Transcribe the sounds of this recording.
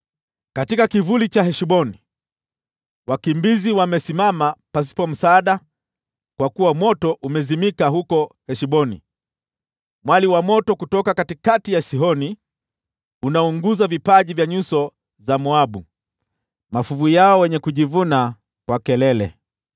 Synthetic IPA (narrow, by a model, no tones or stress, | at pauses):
katikakivulit͡ʃaɦɛʃiɓɔni | wakimbiziwamɛsimamapas̬i̥pɔm̩saːɗa | kwakuwamɔtɔʔumɛzimikaɦukɔhɛʃiɓɔnḭ | mwaliwamɔtɔkutɔkakatikatijasiɦɔni | unauŋɡuzavipaʄivjaɲusɔ | zamɔaɓu | mafuvujaɔwɛɲɛkuʄivuna | kwakɛlɛlɛ̰